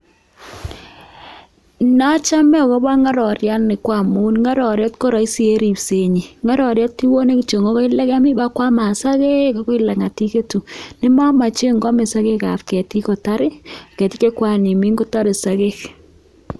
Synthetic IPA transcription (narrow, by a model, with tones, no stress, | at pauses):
na˦t͡ʃa˦mɛ˦˨kɔ˦ba˦ŋa˦ɾɔ˨ɾja˦nɪ˨kwa˨mu˦nŋa˦ɾɔ˨ɾjɛ˦tko˦ɾa˨i˦si˦e˦ɾi˨pse˨ɲi˨ŋa˦ɾɔ˨ɾjɛ˦tti˦wo˦ne˦ki˨t͡ʃo˨ŋo˦kɔ˦i˦lɛ˦ka˦mi˦ba˦kwa˦ma˨sa˦ke˦ka˨˦kɔ˦ɪ˦la˨ŋa˨ti˦ke˦tu˨nɪ˦ma˦ma˨t͡ʃe˦ŋɡɔ˦me˨sa˦ke˦ka̰˨pkɛ˨ti˦ko˨ta˦ɾɪ˦˨kɛ˨ti˦ke˦kwa˦ni˨mi˦ŋɡo˦ta˦ɾɪ˨sa˨ke˦k